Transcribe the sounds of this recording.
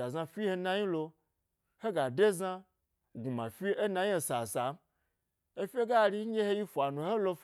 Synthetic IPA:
a˨za˧fʲi˦he˧na˧ɲi˦lo˧ | he˦ɡa˨de˦za˧ | ɡu˨mã̰˨fʲi˦e˦na˧je˦˨sa˨sa˨˦ | e˦fʲe˦ɡa˦˨ɾi˧˦ɡʲe˦he˦ji˦fʷa˨nũ˨he˦lo˧f

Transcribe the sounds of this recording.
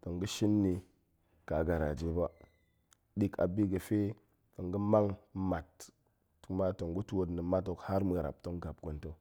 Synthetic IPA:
to˨ŋɡə˦ʃi˦nːi˨ | ka˨ɡa˨ɾa̰˨d͡ʒe˦ba˦ | di˦ka̰˨bi˦ɡə˨fe˦ | to˨ŋɡə˦ma˦ŋma˨tː | u˨kma˦to˨ŋɡu˦tu˦wo˨tnə˨ma˦t̬o˨kha˦ɾmə˨ɾa̰˨p̚to˦ŋɡa˨b̚ɡo˨nto˦

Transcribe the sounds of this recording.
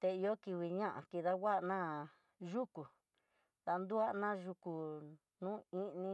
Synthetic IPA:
t̪e˧i˧jo˦ki˧wi˨ɲã˦ʔã̰˨ki˧˨ða˦wa˦ʔnãː˦ | ʒu˦ku˨ | ða˧nd̪u˦a˦˧nã˦ʒu˧ku˨ | nũː˦ĩ˦nĩ˧

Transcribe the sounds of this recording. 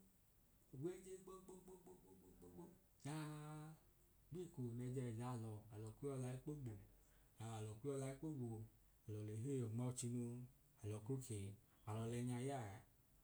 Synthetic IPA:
wʷe˦d͡ʒe˦ɡ͡bo˦ɡ͡bo˦ɡ͡bo˦ɡ͡bo˦ɡ͡bo˦ɡ͡bo˦ɡ͡bo˦o˦ | ja˦ | ɡ͡bi˦˨ko˨nɛ˧˨d͡ʒɛ˧˨d͡ʒa˨lɔ˨a˨lɔ˨kʷu˦ɔ˧la˨˧˦i˦k͡po˦ɡ͡bo˨ | a˨lɔ˨kʷi˦ɔ˦la˧˦i˦k͡po˦wo˨ | a˨lɔ˨le˨ɦe˦˨jɔ˨ŋ͡mɔ˦t͡ʃi˧no˧ | a˨lɔ˨ko˦ke˨ | a˨lɔ˨lɛ˧ɲa˧ja˦˨

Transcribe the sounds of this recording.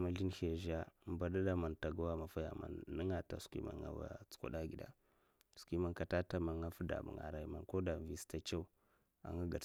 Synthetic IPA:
ma˨ɮi˦n˦he˨ʒa˦mba˨da˦ɗa˦ma˨nta˨ɡa˦wa˦ma˨fa˦ja̰˨ma̰˨nːə˦ŋa˨ta̰˨skḭ˦ma̰˨ŋa̰˨wa̰˨t͡su̥˨˦kʷa̰˨ɗa˦ɡi˨da̰˦ | skʷi˦ma˨nka˨ta˦ta˦ma˨ŋa˦fu˦da̰˨mṵ˨ŋa̰˨ɾa˨i˨ma˨ko˦da˨vi˨sta˦t͡ʃa˦u˦ | a̰˨ŋa˦ɡa˨

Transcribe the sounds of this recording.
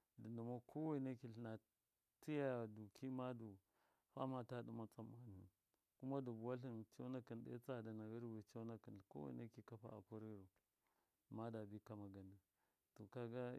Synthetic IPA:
di˨ndu˨ma˦kʰo˦we˦˨ne˦ki˨ɬna˨ | ti˦ja˦ja˨du˨ki˦ma˦du˨ | fa̰˦ma˨ta˦ɗu˦ma˦t͡sʼa˦ma˨nṵ˨n | ku˦ma˦du˨bu˨wa˦ɬi˦nt͡ʃa˦na˦ki˨ndḛ˦t͡sa˦˨da˨na˨ɣi˦ɾwe˨t͡ʃa˦na˦ki˨n˨ko̰˦wḛ˨˦ne˦ki˨ka˦pa̰˦a̰˨pu˦ɾɾu˨ | ma˦da˨bi˦ka˦ma˨ɡa˨ni˨ | to˨ka˦ɡa˦

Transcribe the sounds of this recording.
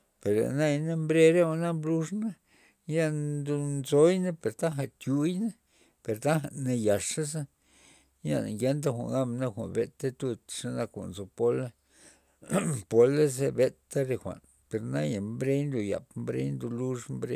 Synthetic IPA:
pe˨ɾlḛ˨na˦jna˦mbɾe˦ɾe˦wa˧na˦mblu˦ʐna˦ | ja˦nd̪u˧nzo˦jna˦pe˨ɾt̪a˦xa˨t̪ju˧jna˦ | pe˨ɾt̪a˦xa˨ne˧ja˨ʂa˦s̬a˦ | ja̰˨n˨ɡe˦nt̪̬a˦xʷa̰˨ŋɡa˦mna˦xʷa̰˨nbe˨t̪a˦t̪u˧t̪ʂa˦na˧kʷa̰˨ʔnzo˧po˦la˦ | po˧la˦ze˧be˦t̪ːa˦ɾe˧xʷa̰˨n | pe˨ɾna˦ja˨mbɾe˦jnd̪u˨ja̰˨pmbɾḛ˦jnd̪u˧lu˦ʂmbɾe˧

